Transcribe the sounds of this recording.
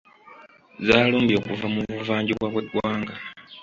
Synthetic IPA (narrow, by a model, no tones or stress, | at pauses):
zaːloːmbjo̞ːkuvamuvuvaːɲɟiβwaβwedwaːŋɡa